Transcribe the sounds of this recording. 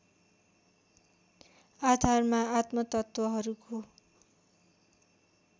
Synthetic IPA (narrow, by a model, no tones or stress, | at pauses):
ad̪ʱarmaat̪mʌt̪ʌt̪wʌɦʌɾukʰo